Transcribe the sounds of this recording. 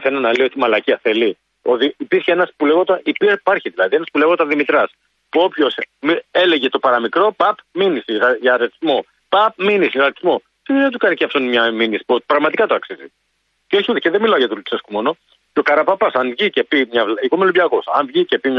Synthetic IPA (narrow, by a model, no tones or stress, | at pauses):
θenɐnɐleio̞t̪imɐlɐciɐθeli | oðiipiɾçeenɐspuleɣot̪ɐʔipipɐɾçiðilɐðie̞nɐspuleɣot̪ɐðimit̪ɾɐs | puo̞pço̞smie̞le̞ʝe̞t̪o̞pɐɾɐmikɾo̞pɐpminisiɐʝɐɾet̪izmo̞ | pɐp̚minisiɐɣɐt̪izmo̞ | sioðet̪ukɐniceft̪onmɲɐminisi̥pot̪pɾɐɣmɐt̪ikɐt̪oɐksizḭ | ceoçiut̪eceðemilɐoʝɐt̪uluseskumo̞no̞ | ceo̞kɐɾɐpɐpɐsɐnvʝice̞pimɲɐvlikomelubʎɐkosɐ̰nvʝice̞pimɲ